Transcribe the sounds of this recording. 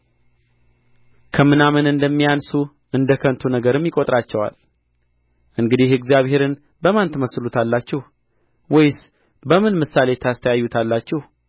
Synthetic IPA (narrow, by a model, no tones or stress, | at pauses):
kʰəmɨnamɨnɨnd̪əmːijansu | ʔɨnd̪əkʰənt̪ʰunəɡəɾɨmːjɪkʼot̪ʼɾat͡ʃːɛwa̰l | ʔɨŋɡɨd̪ihɨɡzijaβhe̞ɾɨn | bəmant̪ʰməslut̪ʰalːat͡ʃːɛh | wɔjs | bəmɨnmɨsale̞t̪ʰəast̪ʰəjajːut̪ʰalːat͡ʃːɛh